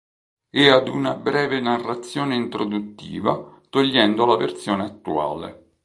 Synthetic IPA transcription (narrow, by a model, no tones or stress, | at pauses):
ɛad̪unabɾɛːvenarːat̪sːjɔːneint̪ɾod̪ut̪ːḭːva̰t̪oʎːɛnd̪olavḛrt̪sjɔːneat̪ːua̰ːlḛ